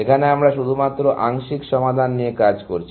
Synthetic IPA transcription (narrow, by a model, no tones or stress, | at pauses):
ekʰaneamɾaʃud̪ʱumat̪ːɾoʔaŋʃikʃɔmad̪ʱanːiekad͡ʑkoɾt͡ɕʰi